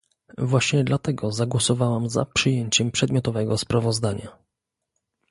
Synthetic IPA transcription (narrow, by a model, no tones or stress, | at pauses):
vwaɕɲɛd̪lat̪ɛɡɔzaɡwɔsɔvawamza̰pʂɘjeɲt͡ɕɛmpʂɛd̪mjɔt̪ɔvɛɡɔspɾavɔzd̪aɲa